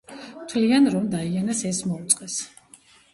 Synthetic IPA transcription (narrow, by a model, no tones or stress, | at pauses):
mt̪ʰlianɾɔmd̪aianasɛsmɔut̪sʼqʼɛs